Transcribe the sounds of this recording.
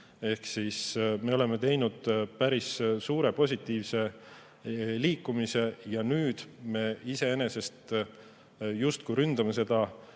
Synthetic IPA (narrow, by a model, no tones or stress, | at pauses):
e̞hksiːsme̞o̞le̞me̞t̪e̞jnud̪̥pæɾissuːɾe̞po̞s̬ʲit̪ːˑiːvse̞ | liːkːˑumise̞jɑnyːd̪̥me̞ise̞ene̞se̞st̪ | just̪kujɾynd̪̥ɑme̞s̬e̞d̪̥ɑ